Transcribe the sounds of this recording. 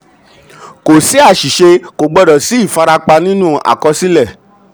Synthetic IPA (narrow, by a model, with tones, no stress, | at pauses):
ko˨si˦a˦˨ʃi˨ʃe˧ko˨ɡ͡bɔ˨dɔ˨si˨˦i˦˨fa˧ɾa˧k͡pa˧nĩ˦nũ˦a̰˨kɔ˧si˦lɛ˦˨